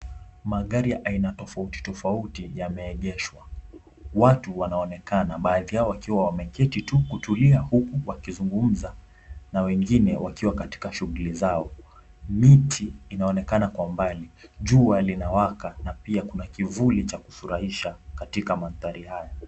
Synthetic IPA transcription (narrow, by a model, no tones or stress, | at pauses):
maɠaɾijaʔainatɔfauti̥tɔfautijamɛːʄɛʃwa | watuwanaɔnɛkanaɓaːðijaɔwakiwawamɛkɛtitukutuliahukuwakizuŋɡum̩za | nawɛŋɡinɛwakiwakati̥kaʃuɣulizaɔ | mitʰiːnaɔnɛkanakwambaliʄualinawakanapiakunakivulit͡ʃaku̥suɾahiʃakatikamaθaɾihaja